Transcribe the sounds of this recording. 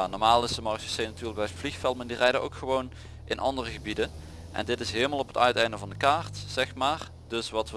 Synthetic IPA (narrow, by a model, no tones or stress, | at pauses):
nɔɹmaːlˠɪsdəmɑɹsə̥senatyːrləɡ̚bɛjvlixfɛlˠməndirɛjdəʔowkxəʋown | ʔɪnʔɑ̰ndərəɣəbidən | ʔɛ̰ndɪtɪsɦeːlˠmalˠɔpətœɥtɛjndəvɑndəkaːɹtz̥ɛxmaːɹ | d̥ɵsʋɑtʋə